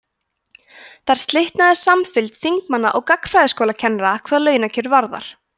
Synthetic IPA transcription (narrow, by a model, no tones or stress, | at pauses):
θaɾ̥st̪lɪht̪naðɪsamfɪlt̪θiŋkmanːaʔɔɣkakfɾajðɪskowlacʰɛnɾakʰvaðalœːɥnacʰʏɾvaɾða̰ɾ̥